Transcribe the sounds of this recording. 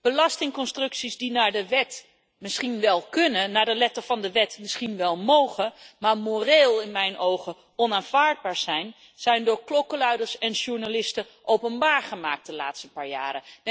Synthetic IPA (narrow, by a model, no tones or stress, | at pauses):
b̥əlɑstɪŋkɔnstrɵksizdinaːɹdəʋɛt | mɪsχinʋɛlˠkɵnəːaːdəlɛtəvɑndəʋɛtmɪsχinʋɛlˠmowχəmaːɹmoreːlˠɪnmɛjnʔowχə | ɔnaːnvaːɹd̚baːɹz̥ɛjn | z̥ɛjndʊːɹklɔkəlœɥdəɹsɛnʒuɹnalɪstə | ʔowpənbaːɹχəmaːk̚t̚dəla̰ːtstəpaːɹja̰ːɾə